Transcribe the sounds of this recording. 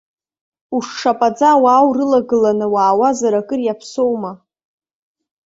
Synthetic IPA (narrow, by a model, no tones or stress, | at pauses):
uʂʂapʼad͡zawaːwrɨlaɡɨlanɨwaːwazaɾakʼɨrjapʰsowma